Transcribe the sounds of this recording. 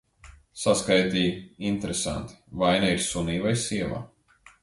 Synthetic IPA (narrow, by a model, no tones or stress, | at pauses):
saskajt̪iːint̪eɾesa̰nt̪i̥vajnaiɾsuniːvajsiɛva̰ː